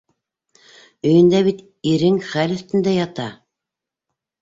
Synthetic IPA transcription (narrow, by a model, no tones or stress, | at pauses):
ɵ̆jɘ̆nd̪æβit̪ | iɾɘŋχælɵ̆θt̪ɘ̆nd̪æjɑt̪ɑ